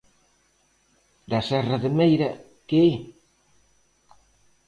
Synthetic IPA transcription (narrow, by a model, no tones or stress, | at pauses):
d̪asɛraðemejɾɐ | kee